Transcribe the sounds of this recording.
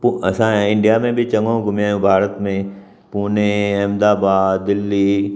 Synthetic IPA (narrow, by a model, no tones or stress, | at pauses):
puɐsãɦɛɪ̃ɳɖijamẽbʱit͡ʃɐ̃ŋɡõɡʊmjãjũbʱaːɾət̪mẽ | puːneɛːmd̪aːbaːd̪ɪlːi